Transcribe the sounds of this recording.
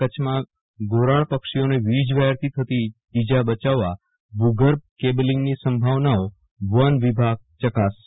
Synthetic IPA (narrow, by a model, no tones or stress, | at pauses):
kət͡ʃʰmã | ɡoɾaɭpəkʃioneʋid͡ʒʋaɾt̪it̪ʰət̪iː | d͡ʒabət͡ʃaʋːa | buɡəɾb̚keblĩŋɡnisəmbʱaʋnao | ʋənʋibʱaɡ̚t͡ʃəkas